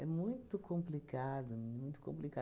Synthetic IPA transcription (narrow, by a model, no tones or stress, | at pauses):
ɛmũj̃t̪ʊkʰõmplikad̪ʊɛmũj̃t̪ʊ̥kõ̰mplika